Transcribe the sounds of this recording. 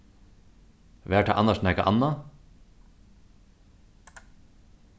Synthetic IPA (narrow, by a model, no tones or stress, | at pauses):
ʋeːʈʰɑ̰ːʔɑ̰nɑʃnɛkɑ̰ʔɑ̰nɑ